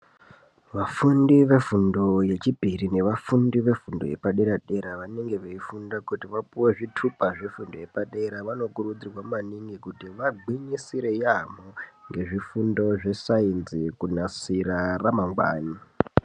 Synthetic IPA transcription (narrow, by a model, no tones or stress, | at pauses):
ʋafundiʋe̞fundo̞je̞t͡ʃibʱirine̞ʋafundiʋe̞fundo̞je̞paɗeɾaɗe̞ɾaʋane̞ŋɡe̞ʋeifundakutiʋapuwe̞ʐitʰupaʐe̞fundoje̞paɗe̞ɾaʋano̞kurud͡zirwammaniŋɡikutiʋaɡwiɲisiɾe̞jamoŋɡe̞ʐifundo̞ʐe̞sainzikunasiɾaramaŋɡwa̰ːni